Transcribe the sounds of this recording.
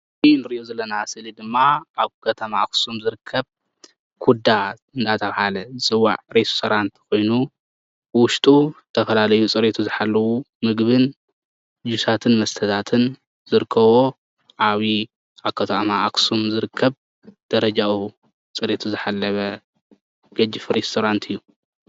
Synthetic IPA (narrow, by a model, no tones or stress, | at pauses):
inɨɾiʔozɐlːɐnasɨlid̪ɨmːaʔaβkʰɐt̪ʰɐmaːksumzɨɾɨkʰːɐβ | kʰud̪a | ɨnd̪ʰat̪ʰɐβhalɐsɨwa̰ʕɾejsu̥sɐɾant̪ʰi̥ko̞jnu | wʊʃt̪ʼut̪ʰɐfɐlalɐjut͡sʼɨɾet̪ʰuzɨħalːɐwu | mɨɡβɨn | d͡ʒusat̪ʰɨnmɐst̪ʰɐt̪ʰat̪ʰɨn | zɨɾɨkʰːɐβo̞ | ʔaβi | aβkʰɐt̪ʰɐmaʔːksumzɨɾɨkʰːɐβ | d̪̥ɐɾɐd͡ʒawu | t͡sʼɨɾet̪ʰuzɨħalːɐβɐ | ɡ̥ɐd͡ʒɪfɾest̪ʰoɾant̪ʰɨjːu